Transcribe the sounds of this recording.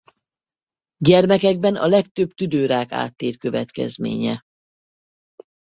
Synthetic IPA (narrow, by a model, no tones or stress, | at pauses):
ɟɛrmɛkɛɡ̚bɛnɒ̰lɛkt̪øbt̪yd̪øːɾaːka̰ːt̪ːeːrkø̞vɛt̪kɛ̰zmḛːɲɛ